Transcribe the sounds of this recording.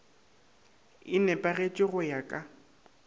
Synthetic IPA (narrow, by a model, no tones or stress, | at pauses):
ɪnɛpʼaɣet͡ʃʼɪɣʊjakʼa